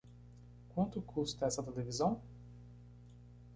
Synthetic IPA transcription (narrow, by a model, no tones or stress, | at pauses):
kwɐ̃nt̪ʊkʰust̪ɐɛsɐt̪elevizɐ̃w̃